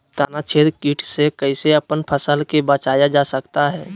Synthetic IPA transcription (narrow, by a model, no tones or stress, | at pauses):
t̪aːnat͡ʃʰeːd̪kiːʈʰsekəɪseəpənpʰəsəlkebət͡ʃaːjad͡ʒaːsəkt̪aɦɛː